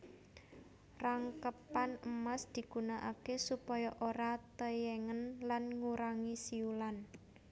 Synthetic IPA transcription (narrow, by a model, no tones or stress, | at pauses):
raŋkəpanəmasd̪̥i̤ɡ̥ṳnaʔakesupɔjɔʔoɾat̪əjɛŋənlanŋuɾaŋisiulan